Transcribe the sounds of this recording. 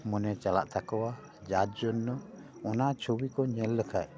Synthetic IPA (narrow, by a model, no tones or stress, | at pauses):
mɔnɛt͡ʃala̰ʔt̪ʰakɔwa | d͡ʒat̪̚d͡ʒɔnːɔ | ɔnat͡ʃʰuwikɔɲɛlːəkʰa̰ʔ